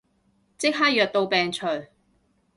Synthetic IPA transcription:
t͡sɪ˥k̚ɦaː˥jœː˨k̚t̪o˧wpɛː˨˩ŋt͡ʃʰɵ˨˩ɥ

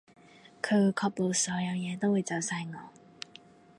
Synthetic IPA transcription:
kʰə˨˧wu˨˧jkʰɔ˧k̚lo˨˧wsɔː˨˥jɐ˨˧wjɛː˨˧t̪o˥wwu˨˧jt͡sɐ˨˩wsa˧jŋɔː˨˦

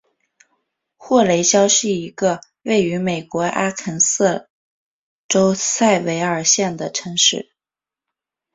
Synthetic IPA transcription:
xwɔ˥˩le˧˥ɪɕjɑ˥ʊɕi˥˩i˧˥ɡə˧ | we˥˩ɪy˧˥me˨˩ɪkwɔ˧˥ʔa˥kʰə˧˥nsɤ˥˩ | ʈ͡ʂo˥ʊsa˥˩ɪwe˧˥ɪə˞˨˩ɕjɛ˥˩nd̪ə˩ʈ͡ʂʰɤ˧˥ŋʂɻ̩˥˩

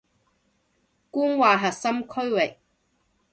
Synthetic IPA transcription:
kuː˥nwaː˨ɦɐ˨t̚sɐ˥mkʰɵ˥ɥwɪ˨k̚

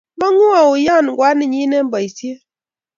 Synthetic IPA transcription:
ba˦ŋu˦a˨u˨ja˦˨n˨ɡwʷa˦ni˦˨ɲi˦ne˦m˦ba˨i˨sje˦

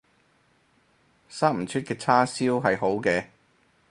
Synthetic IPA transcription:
saː˥m̩˨˩t͡ʃʰy˥t̚kɛː˧t͡sʰaː˥siː˥wɦɐ˨jɦo˨˥wkɛː˧

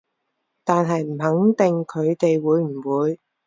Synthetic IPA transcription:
t̪aː˨nɦɐ˨jm̩˨˩ɦɐ˨˥ŋt̪ɪ˨ŋkʰɵ˨˧ɥt̪e˨jwuː˨˧jm̩˨˩wuː˨˧j

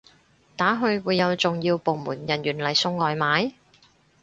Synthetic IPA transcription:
t̪aː˨˥ɦɵ˧ɥwuː˨˧jːɐ˨˧wt͡sʊ˨ŋjiː˧wpo˨˧wmuː˨˩njɐ˨˩nɥyː˨˩nlɐ˨˩jsʊ˧ŋːɔː˨˧jmaː˨˥j

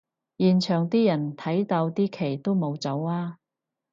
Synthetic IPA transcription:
jiː˨˩nt͡ʃʰœː˨˩ŋt̪iː˥jɐ˨˩nt̪ʰɐ˨˥jt̪ɐ˧wt̪iː˥kʰe˨˩jt̪o˥wmo˨˧wt͡sɐ˨˥waː˥

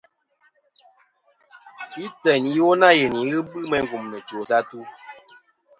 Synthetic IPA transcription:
i˦tə˨ni˦wo˦na˦˨je˨ni˨˦ɣɨ˦bɨ˦mɛ˦ŋ˦ɡu˨mnə˨t͡ʃo˨sa˦tu˦

